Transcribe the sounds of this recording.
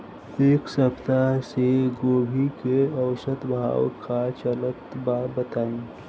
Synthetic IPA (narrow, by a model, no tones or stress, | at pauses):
eːksəpt̪aseɡoːbʱikeɐʊʃət̪bʱa̰ːwkʰat͡ʃələt̪babət̪aːẽː